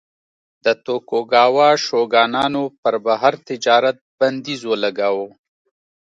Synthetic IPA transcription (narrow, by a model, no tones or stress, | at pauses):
d̪̥ət̪okoɡɑwɑʃoɡɑːnɑnopəɾbaɦaɾt̪ɪd͡ʒɑːɾat̪̚band̪izwəlaɡawo